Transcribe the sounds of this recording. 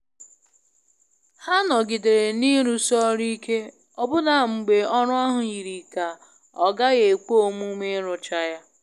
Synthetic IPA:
ha˦nɔ˨ɡɪ˨de˨ɾe˨ni˦ɾu˨sɔ˦ɾi˦ke˦ | ɔ˦bʊ˦na˨ŋ͡m̩˨ɡ͡be˨ɔ˦ɾʊ˦a˦ɦʊ˨i˨ɾi˨ka˨ | ɔ˨ɡa˦ɣe˨k͡po˦o˦˨mu˦me˦ɾʊ˨t͡ʃa˦ja˦

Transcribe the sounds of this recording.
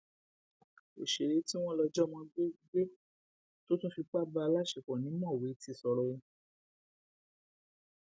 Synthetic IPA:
e˨ʃe˨ɾe˨˦ti˦w̃ɔ̃˦lɔ˧d͡ʒɔ˦mɔ̃˧ɡ͡be˦ɡ͡be˦ | to˦tũ˦fi˧k͡pa˦ba˧la˦ʃe˨k͡pɔ̃˨nĩ˨˦mɔ̃˦˨we˨˦ti˧˨sɔ˨ɾɔ˧ũ˧˦

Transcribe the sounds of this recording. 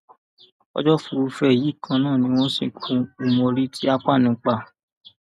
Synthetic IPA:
ɔ̰˦d͡ʒɔ˦fu˨˦fɛ˦e˨ji˨˦˨kʰã˧˦nãː˦˨nĩ˧˦w̃ɔ̃˦sĩ˦˧˨kʰũ˧u˨mɔ̃˧ɾi˦tʰi˦a˦k͡pa˦˨nũ˨˦k͡pa˦˨

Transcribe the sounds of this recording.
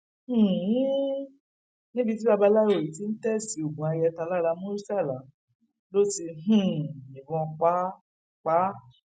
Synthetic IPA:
h̩˦˨˦ | nĩ˦bi˧ti˦ba˧ba˧la˦o˨i˨ti˨˦n̩˦tɛ˦˨si˨˦o˨ɡũ˨a˧jɛ˧ta˧la˦ɾa˧mõ˦ɾi˦sa˦˨la˨ | lo˦ti˧ɦ̩˦˨ĩ˨ɡɔ̃˧k͡pa˦ | k͡pa˨˦

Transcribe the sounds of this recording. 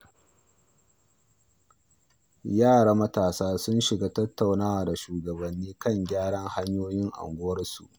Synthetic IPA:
jaː˦˨ɽaː˦mɐ˦taː˨saː˦sʊ˦nʃɪ˨ɡaː˦tɐ˦tʰːa˨wnaː˦wa˨da˨ʃuː˨ɡɐ˨bɐ˨nːiː˦kɐ˦˨ŋɡʲaː˦ɽɐ˦ŋha˦ɲjoː˦jɪ˦ŋʔa̰˨ŋɡʷʊ˦wɐ˦rsṵ˨ʔ

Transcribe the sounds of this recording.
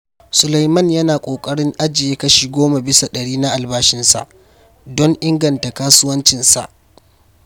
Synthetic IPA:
sʊ˨la˨jmɐ˦njɐ˦naː˨kʷʼoː˨kʼɐ˦ɽɪ˦ŋʔa˦d͡ʒɪ˨jeː˦kɐ˦ʃi˨ɡʷoː˦ma˨bɪ˦sa˨ɗɐ˨ɽiː˦na˦ʔa˨lbaː˦ʃɪ˦nsa̰˨ʔ | dɔ˦ŋʔɪ˦ŋɡɐ˨nta˨kaː˦sʊ˦wɐ˦nt͡ʃɪ˨nsa̰˨ʔ

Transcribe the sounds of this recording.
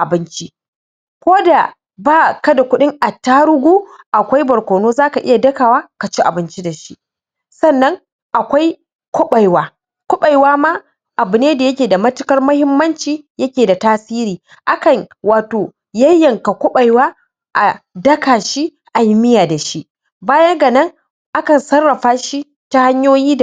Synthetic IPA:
ʔa˨bɪ˦nt͡ʃi˦ | kʷoː˦da˨ | baː˦˨kɐ˦da˨kʷʊ˦ɗɪ˦ŋʔa˨taː˦ɽʊ˦ɡʷuː˦ʔa˨kʷa˦jbɐ˨ɾkʷoː˨noː˦zaː˦ka˨ʔɪ˦ja˨dɐ˦kaː˨waː˦ka˨t͡ʃi˦ʔa˨bɪ˦nt͡ʃi˦da˨ʃi˦ | sɐ˦˨nːɐ˦ŋ | ʔa˨kʷa˦j | kʷʊ˦ɓa˨jwaː˦ | kʷʊ˦ɓa˨jwaː˦ma˦ | ʔa˨bɨ˨neː˦da˨jɐ˦k̬ʲeː˨da˨mɐ˦tɪ˦kɐ˦rmɐ˦hɪ˦mːɐ˦nt͡ʃiː˨jɐ˦kʲeː˨da˨taː˦siː˦ɾiː˨ | ʔa˦kɐ˨ɲwaː˨toː˨ | jɐ˦jːɐ˨ŋka˨kʷʊ˦ɓa˨jwaː˦ | ʔa˨dɐ˦kaː˨ʃi˦ | ʔa˨jɪ˦mɪ˦jaː˨da˨ʃi˦ʔ | baː˦jɐ˦ɡa˨nɐ˦ŋ | ʔa˦kɐ˨nsɐ˦rːɐ˨ɸaː˦ʃi˦ | ta˦ha˦ɲjoː˦jiː˦d

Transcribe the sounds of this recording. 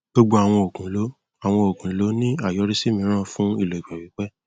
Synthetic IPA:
ɡ͡bo˧ɡ͡bo˧a˨w̃ɔ̃˧o˨kũ˨˦lo˨˦ | a˨w̃ɔ̃˧o˨kũ˨lo˨˦nĩ˦a˦˨jɔ˨˦ɾi˦si˦mĩ˧˦ɾ̃ã˦˨fũ˦i˦˨lo˨i˨k͡pɛ˨wi˨˦k͡pɛ˦

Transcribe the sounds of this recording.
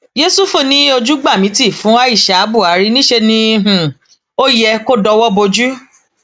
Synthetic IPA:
d͡ʒe˨˦su˦fũ˦˨nĩ˨˦o˧d͡ʒu˦ɡ͡ba˦˨mĩ˨˦ti˦˨fũ˨˦a˦i˦˨ʃa˨˦bu˦˨a˨˦ɾi˦nĩ˦ʃe˧nĩ˧ɦ̩˨ | o˦jɛ˧ko˦dɔ˧wɔ˦bo˧d͡ʒu˦

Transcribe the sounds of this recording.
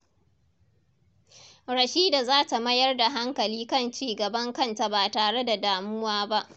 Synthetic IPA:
ɽɐ˨ʃiː˦da˨zaː˦ta˨mɐ˦jɐ˦rda˨ɦa˦ŋkɐ˨liː˦kɐ˦nt͡ʃiː˦ɡɐ˨bɐ˦ŋkɐ˦˨nta˨baː˨taː˨ɽe˦da˨daː˨mʊ˦waː˦ba˦ʔ

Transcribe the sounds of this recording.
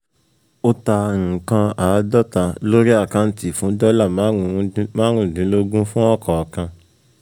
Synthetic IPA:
o˦tã˧˨kã˧a˨˦dɔ˦ta˧lo˦ɾi˦a˦˨kã˧n̩˦ti˨fũ˨˦dɔ˦la˦˨ma˨˦˨mãː˦ɾ̃ũ˦˨dĩ˨˦lo˦ɡũ˦fũ˦ɔ˦˨kʰɔ˨kã˧

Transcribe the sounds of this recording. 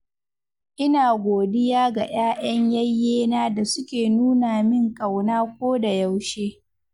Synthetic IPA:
ʔɪ˦naː˨ɡʷoː˨dɪ˦jaː˦ɡa˨j̰aː˦j̰ɐ˦ɲjɐ˦jːeː˦naː˦da˨sʊ˦kʲeː˨nuː˦naː˨mɪ˦ŋkʼɐ˨wnaː˦kʷoː˦da˨ja˦wʃeː˦

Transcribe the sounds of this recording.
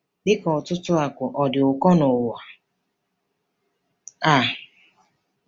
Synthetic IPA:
dɪ˦kɔ˨tʊ˦tʊ˦a˨kʷʊ˨ʔɔ˨dɪ˨ʊ˨kɔ˦nʊ˨wa˨ | a˨

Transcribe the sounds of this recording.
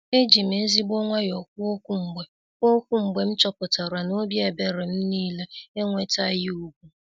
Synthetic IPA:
e˦d͡ʒi˨m̩e˨˦zi˦bɔ˦ŋʷa˦jɔ˨k̚ʷu˦o˦kʷu˦m̩˨ɡ͡be˨ | o˦kʷu˦m̩˨ɡ͡be˨m̩˦t͡ʃɔ˦pʊ˨ta˨ɾwa˨no˦bje˨be˦ɾe˨m̩˦niː˦le˦e˦ŋʷe˦ta˦ji˦u˦ɡʷu˦

